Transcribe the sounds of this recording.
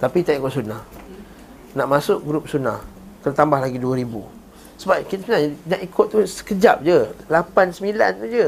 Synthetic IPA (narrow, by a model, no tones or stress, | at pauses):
t̪apit̪aʔikʊʔ̚sunah | naʔmasʊʔ̚ɡɾup̚sunah | kərt̪ambahlaɡiduəɾibṵ | səbap̚kit̪asənanaʔikʊʔ̪̚t̪ːusə̥kəd͡ʒa̰p̚d͡ʒəlapansəmila̰nt̪ud͡ʒə